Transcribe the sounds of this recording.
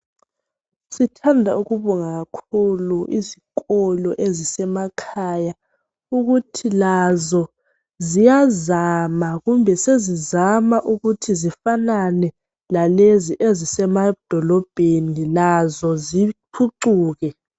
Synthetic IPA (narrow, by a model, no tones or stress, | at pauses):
sitʰandʱauɣuβɔŋaɣakʰuluʔiziɣɔlɔʔezisɛmakʰaja | uɣutʰilazɔ | zijazamaɣumbʱɛsezizamaʔuɣutʰizifananɛ | laleziʔezisɛmad̥ʱɔlɔb̥ʱenilazɔziǃʰuǀuːɣɛ